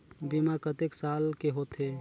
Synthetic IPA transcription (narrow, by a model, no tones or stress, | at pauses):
bimakət̪eksalkeɦot̪ɦe